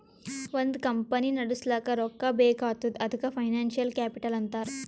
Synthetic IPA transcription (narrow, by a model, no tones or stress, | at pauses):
ʋɐnd̪kɐmpɐninɐɽuslaːkɐɾɔkːɐbeːkaːt̪ud̪ɐd̪ʱukɐpʰɐjnaːnʃijɐlkaːpiʈɐlɐnt̪aːɾu